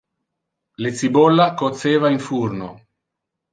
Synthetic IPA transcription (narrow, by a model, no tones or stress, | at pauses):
let̪sibɔlːakot̪seːvaiɱfurno̰